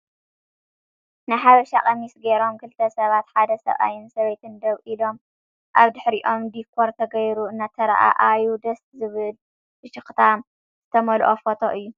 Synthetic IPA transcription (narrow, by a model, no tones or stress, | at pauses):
nɨjħaβɐʃakʼɐmisɡeɾo̞mkʰɨlt̪ʰɐsɐβat̪ħad̪ɐsɐ̰βʔa̰jɪnsɐβet̪ʰɨnd̪ɐβʔilo̞m | ʔaβd̪ɨħɾiʔo̞md̪ikʰːoɾt̪ʰɐɡɐjɾuɨnːat̪ʰɐɾɐ̰ʔa̰ʔajud̪ɐst̪zɨβɨl | bɨʃɨxt̪ʰam | z̥ɨt̪ʰɐmɐlʔofot̪ʰo̰ʔɨjːu